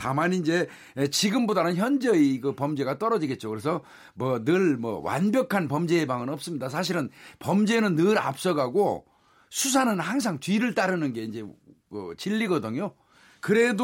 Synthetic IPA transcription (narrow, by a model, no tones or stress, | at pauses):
tamanind͡ʑe̞ | t͡ɕiɡɯmbodanɯnçjʌnd͡ʑʌiɡɯpʌmd͡ʑe̞ɡat͈ʌɾʌd͡ʑiɡe̞t̚t͡ɕ͈okɯɾe̞sʰʌ | mʌnɯɭmʌ̰wa̰nbjʌkʰanpʌmd͡ʑeːbaŋɯnʌp̚s͈ɯmɲidas̬ʰaɕ̬ʰiɾɯnpʌmd͡ʑe̞nɯnːɯɾa̰p̚s͈ʌɡaɡo̰ | sʰus̬ʰanɯnhaŋs̬ʰaŋtɥiɾɯɭt͈aɾɯnɯnɡe̞ind͡ʑe̞kɯ̰t͡ɕiʎːiɡʌdɯɲjo | kɯɾe̞d